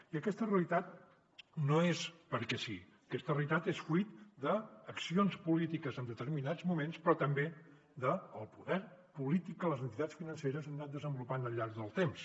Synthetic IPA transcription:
iəkɛst̪əreəlit̪at̪̚ | noespəɾkɛsi | əkɛst̪əreəlit̪at̪esfuit̪d̪əːksionspulit̪ikəzənd̪ət̪əɾminad͡zmumenspɾɔt̪əmbe | d̪əːlˠpuðɛɾpulit̪ikːələzənt̪it̪at͡sfinənseɾəzənnat̪̚d̪əzəmbulupanəlʎːaɾɡðəlˠt̪ems

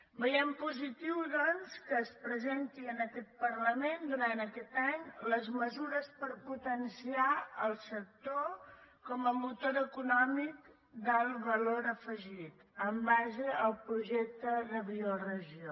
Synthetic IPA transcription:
bəjɛmpuzit̪iwðɔnskəːspɾəzent̪iənəkɛt̪̚pəɾləmend̪uɾant̪əkɛt̪aɲləzməzuɾəspəɾput̪ənsiaəlˠsək̚t̪okɔməmut̪oɾəkunɔmik | d̪əlˠβəloɾəfəʒit̪əmbaʒəəlˠpɾuʒɛk̚t̪əðəβiurəʒio

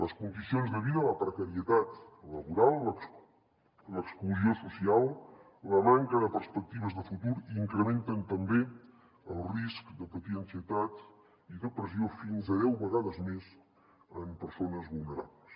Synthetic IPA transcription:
ləskund̪isionzðəβiðələpɾəkəɾiət̪at̪ | ləβuɾalˠləks | ləkskluziosusialˠ | ləmaŋkənəpəɾspək̚t̪iβ̞əzðəfut̪uɾiŋkɾəment̪ənt̪əmbe | əlˠriskd̪əpət̪iənsiət̪at̪ | iðəpɾəziofinzəðɛwβəɣaðəzmez | əmpəɾsonəzβulˠnəɾa̰bləs

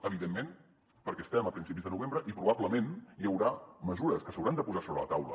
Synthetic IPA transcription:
əβ̞iðemːen | pəɾkɛəst̪ɛməpɾinsip̬izðənuβembɾəʔipɾuβabləmenjəwɾaməzuɾəskəsəwɾand̪əpuzasoβɾə̰lə̰t̪awlə̰

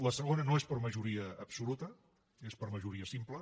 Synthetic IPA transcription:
ləsəɣ̞onənoespəɾməʒuɾiəːpsulut̪ə | espəɾməʒuɾiəsimplə

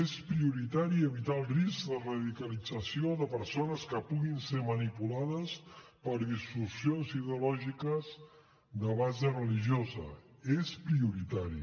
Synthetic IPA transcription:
espɾiuɾit̪aɾiəβit̪aəlˠriskd̪ərəðikəlid͡zəsioðəpəɾsonəskəpuɣinsemənipulaðəspəɾðist̪usionziðeulɔʒikəz | d̪əβazərəliʒiozə̰espɾiuɾit̪aɾḭ

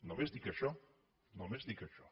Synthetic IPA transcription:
nomezd̪ikɐʃɔ | nomezd̪ikɐʃɔ

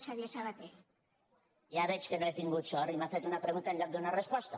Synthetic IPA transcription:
t͡ʃaðiesaβat̪e | jaβet͡ʃkenoet̪iŋɡut͡ʃorimaθet̪unapɾeɣunt̪aend̪ak̚d̪eunarespost̪a

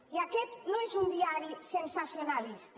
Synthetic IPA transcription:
iakɛt̪nõezund̪iaɾisensasjonalist̪

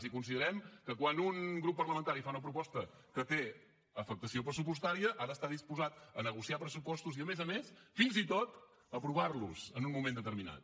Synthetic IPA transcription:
zikunsiðəɾɛmkəkwanuŋɡɾupːərləmə̃nt̪aɾifaunəp̬ɾupɔst̪əkət̪e | əfək̚t̪əsiopɾəsup̬ust̪aɾiəʔaɾəːst̪aðispuzat̪ənəɣusiapɾəsupɔst̪uziəmezəmesfinzit̪ot̪ | əpɾuβ̞arluz̥ənunmumẽnd̪ət̪əɾmina̰t̪̚

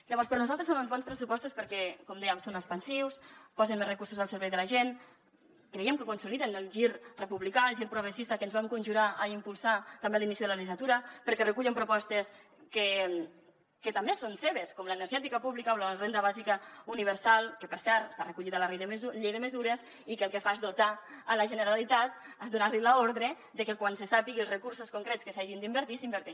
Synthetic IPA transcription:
ʎəβɔɾspəɾnuzalt̪ɾesonunzβɔnspɾəsupɔst̪uspəɾkɛkomd̪ɛjəmsonəspənsiwspɔzenmezrəkuɾsuzəlˠsəɾβɛjðəlaʒen | kɾeɛmkəkunsuliðenəlˠʒiɾrəpuβlikalˠʒiɾpɾuɣɾesist̪akəːnzβaŋkunʲʒuɾaʔəimpulˠsat̪ambelinisiðələʎiʒat̪uɾəpəɾkɛrəkuʎempɾupɔst̪es | kə | kət̪ambesonseβeskomləenəɾʒɛt̪ikapuβlikaolərend̪əβazikəuniβ̞əɾsalˠkəpəɾsɛɾt̪est̪arəkuʎiðalareðʎejðəməzuɾes | ikəlˠkefazdot̪aələʒənəɾalit̪at̪̚ | ad̪unaɾlilaoɾðɾe | d̪əkekwansesapiɣiəlˠzrəkuɾsoskuŋkɾɛt̪skəsaʒind̪imbəɾt̪isimbəɾt̪ɛʃ

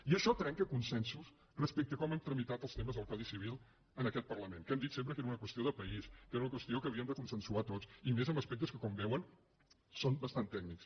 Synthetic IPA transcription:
iəʃɔt̪ɾɛŋkəkunsɛnsus | rəspɛk̚t̪əkɔmɛmt̪ɾəmit̪at̪əlˠst̪eməzðlˠkalˠðisiβ̞ilˠ | ənəkɛt̪̚pərləmenkɛmd̪it̪semp̬ɾəkeɾəunəkwəst̪ioðəpəiskeɾəunəkwəst̪iokəːβiəmd̪əkunsənsuat̪ott͡simezəmbəspɛk̚t̪əskəkɔmbɛwən | sonbəst̪ant̪ɛɡ̚niks

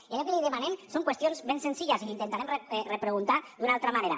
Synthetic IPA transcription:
ialekeliðemanemsoŋkwest̪jonzβensensiʎaziint̪ent̪aɾemrerepɾeɣunt̪ad̪unalˠt̪ɾamaneɾa̰

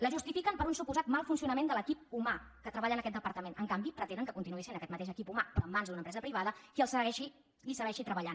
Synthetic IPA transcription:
ləʒust̪ifikəmpəɾunsupuzat̪malˠfunsiunəmend̪ələkip̚umakət̪ɾəβaʎənəkɛt̪̚d̪əpəɾt̪əmenəŋkambipɾət̪enəŋkəkunt̪inuesenəkɛt̪mət̪eʃəkipumapɾɔəmːanzd̪unəmpɾɛzəpɾiβ̞aðəkiəlˠsəɣɛʃi | isəɣɛʃit̪ɾəβəʎan

